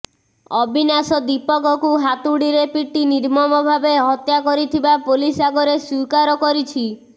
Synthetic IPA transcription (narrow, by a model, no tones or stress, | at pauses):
ɔbʱinasɔd̪ipɔkɔkuɦat̪uɽiɾepiʈːiniɾmɔmɔbʱabeɦɔt̪jakɔɾit̪ʰibapolisaɡoɾesukaɾɔkɔɾit͡ʃʰi